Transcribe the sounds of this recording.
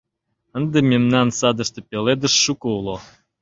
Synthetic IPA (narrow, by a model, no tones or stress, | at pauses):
ə̆nd̪emʲemnɑnsɑd̪ə̆ʃt̪ɤ̆pʲeled̪ə̆ʃːukɤulˠo